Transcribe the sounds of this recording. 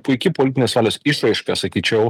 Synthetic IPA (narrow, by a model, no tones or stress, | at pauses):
pʊɪkʲɪpolʲɪt̪ʲɪnʲeːsʋɑːlʲoːsiʃɾɐɪʃkɐsɐkʲiːt͡ʃʲɛʊ